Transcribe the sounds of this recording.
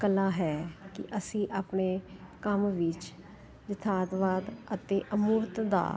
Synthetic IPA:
kəlaːɦɛːkɪ̰ʔəsĩːʔaːpɳeːkəmʋɪt͡ʃ | d͡ʒɪt̪ʰaːd̪ʋaːd̪ət̪eːʔəmuːɾt̪d̪a̰ː

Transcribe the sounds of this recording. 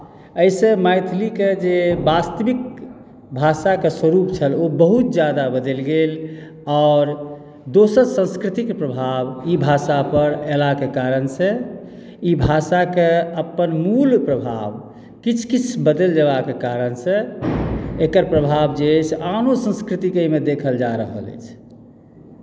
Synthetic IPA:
əjsẽmajt̪ʰliked͡ʒebast̪əbik̚ | bʱasakeswəɾupt͡ʃʰəlobəɦut̪̚d͡ʒjad̪abəd̪elɡel | ɔːɾ | d̪osəɾsə̃nskɾit̪ikpɾəbʱabibʱasapəɾelakekaɾənsẽ | ibʱasakeəpːənmulpɾəbʱa̰b | kit͡ʃʰkit͡ʃʰbəd̪eld͡ʒəbakekaɾənsẽ | ekəɾpɾəbʱabd͡ʒet͡ʃʰanosə̃nskɾit̪ikəimed̪ekʰəld͡ʒaɾəɦə̰lə̰t͡ʃʰ

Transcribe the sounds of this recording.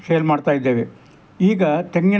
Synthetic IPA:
kejɐlmaːɽt̪aːjid̪ːe̞ːʋe | iːɡɐt̪eŋɡɐ

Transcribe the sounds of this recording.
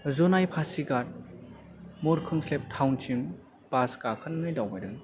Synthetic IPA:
zonajpʰasiɡaɾ̚ | muɾkʰɯŋslep̚tʰawntʰin | paskakʰɯnnɯjdawbajdɯn

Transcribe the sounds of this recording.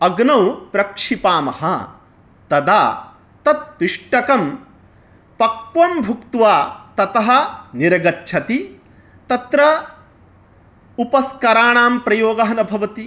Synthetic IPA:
ɐɡnɐwpɾɐkʂipaːmɐɦɐ̰ | t̪ɐd̪aː | t̪ɐt̪̚piʂʈɐkɐm | pɐkʋɐmbʱukt̪ʋaːt̪ɐt̪ɐɦɐ̆niɾɐɡɐtːt͡ʃʰɐt̪i | t̪ɐt̪ɾɐ | upɐskɐɾaːɳaːmpɾɐjoːɡɐɦɐnɐbʱɐʋɐt̪i

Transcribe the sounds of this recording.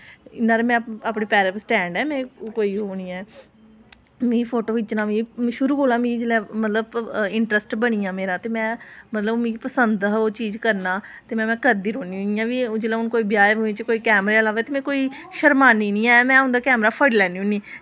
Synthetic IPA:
ɪnːaːɾeːmɛ̃ːaːpɽeːpɛːɾəpsʈɛ̃ːɳɖɛːmɛ̃ːkoːiːɦoːniːɛː | mĩːpʰoːʈoːʋɪt͡ʃnãːʋĩːʃʊɾuːɦoːlãːmĩːd͡ʒlɛːmət̪ləbɪɳʈɾəsʈbəɽ̃iːãːmeːɾãːt̪eːmɛ̃ːmət̪ləbmĩːpəsənd̪oːt͡ʃiːzkəɾnaːt̪eːmɛ̃ːmɛ̃ːkəɾd̪iːɾoːniːʊ̃niːjãːʋiːd͡ʒeːlɛːʊnkoːiːbɪjaːoːẽːt͡ʃkoːiːkɛːmɾeːlaːʋeːt̪eːmɛ̃ːkoːiː | ʃəɾmaːniːnĩːɛ̃ːmɛ̃ːɦʊ̃nd̪aːkɛːmɾaːpʰəɖlɛːniːʊniː

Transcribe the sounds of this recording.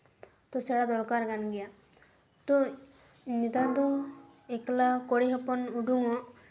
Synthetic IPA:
t̪ɔsɛɽad̪ɔɾkaɾɡanɡɛja | t̪ɔ | nit̪ad̪ɔ | eklakoɽiɦɔpɔnuɖuŋɔ

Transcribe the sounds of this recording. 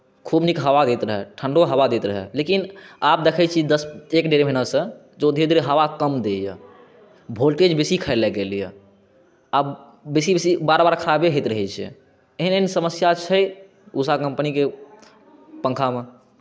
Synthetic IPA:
kʰubnikɦəʋad̪et̪ɾəɦɛʈʰəɳɖoɦəwad̪et̪ɾəɦɛ̰lekinap̚d̪ekʰɛt͡ʃʰid̪əsekɖeɾem̤ʱənəsə̃ | d͡ʒod̪ʱed̪ɾeɦəʋakəmd̪ejə̰ | bʱolʈed͡ʒbesikʰəɪlɛɡelijɛ̰ | a | besibesibaɾbaɾkʰəɾabeɦet̪ɾəɦɛt͡ʃʰɛ̰ | eɦinensəməsjat͡ʃʰəj | usakə̃mpnike | pə̃ŋkʰame

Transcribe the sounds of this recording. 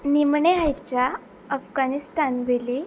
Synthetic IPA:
nimɳeɦajt͡ɕja | əfɡanist̪anʋeli

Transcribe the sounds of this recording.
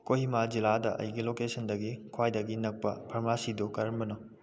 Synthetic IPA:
kohimad͡ʒiladɐʔɐ̰jɡilokesɐndɐɡikʰwajdɐɡinɐk̚pɐpʰɐɾmasidokɐɾmbɐnɔ

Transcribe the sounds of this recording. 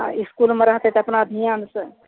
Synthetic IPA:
ã̰iskuːlmeɾɐɦt̪et̪eɐpnaɐb̪ʱijaːnsə

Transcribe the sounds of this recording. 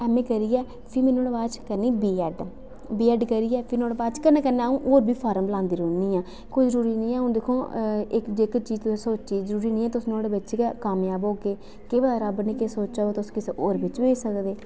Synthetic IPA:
ɛːmẽːkəɾiːɛː | pʰɪmɛːnõːɽbaːd̪t͡ʃkəɾniːbiːɛːɖ | biːɛːɖkəɾiːɛːpʰɪnoːɽbaːt͡ʃkənːɛ̃ːkənːɛːũːʔoːɾbʱiːpʰaːɾəmbəlãːnd̪iːɾoːniːãː | koizəɾuːɾiːnĩːɛːɦʊ̃nd̪eːkʰːoːɪkd͡ʒekt͡ʃiːzt̪ʊseːsoːt͡ʃiːzəɾuːɾiːnĩːɛːt̪ʊsnũoːɽebətːʃekɛkaːmjaːboːɡeː | keːʋədaːɾəbnĩːkesoːt͡ʃaːot̪ʊskɪseːʔoːɾbɪt͡ʃʋeːsəkd̪eː

